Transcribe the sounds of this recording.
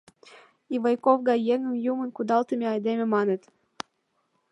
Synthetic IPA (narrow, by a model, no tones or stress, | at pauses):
ivɤjkovɡɑjeŋə̆mjumə̆nkud̪ɑlt̪ə̆mʲeɑjd̪emʲĕmɑnĕt̪